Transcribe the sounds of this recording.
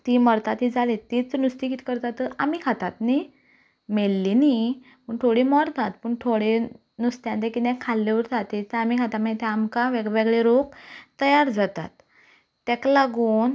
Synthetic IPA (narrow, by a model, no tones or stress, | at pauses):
t̪iməɾt̪at̪ːid͡zalet̪it͡snust̪ikit̪ʰi̥kəɾt̪at̪ːəamikʰat̪at̪ni | melːini | pəɳt̪ʰoɽimɔɾt̪at̪pəɳt̪ʰoɽe | nust̪jãnt̪ekit̪ɛ̃kʰːalːeʋəɾt̪at̪et̪əamikʰat̪amãɡt̪ɛ̃amkaʋeɡʋeɡɭeɾokt̪əjaɾd͡zat̪a̰t̪ː | ɛklaɡuːn